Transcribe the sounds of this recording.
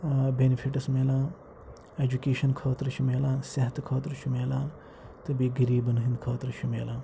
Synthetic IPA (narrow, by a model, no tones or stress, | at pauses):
beːnipʰiʈɐsmeːlãː | eːd͡ʒukeːʃɐnkʰoːt̪ɾt͡ʃʰumeːlãːsɐɦɐt̪ʰkʰoːt̪ɾt͡ʃʰumeːlãː | t̪ɨbiɡɐɾiːbɐnɦĩnd̪kʰɐːt̪ɾʃʰumeːlãː